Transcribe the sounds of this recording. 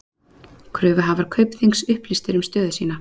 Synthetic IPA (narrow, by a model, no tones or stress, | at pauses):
kʰɾœːvʏɦavaɾ̥kʰœɥpθiŋksʏhplist̪ɪɾʏmst̪œːðʏsiːna